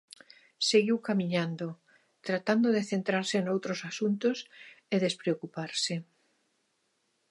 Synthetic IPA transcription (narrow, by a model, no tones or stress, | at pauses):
seɣiwkamiɲand̪o | t̪ɾat̪and̪oðeθent̪ɾaɾsenowt̪ɾosasunt̪oseðespɾeokupaɾse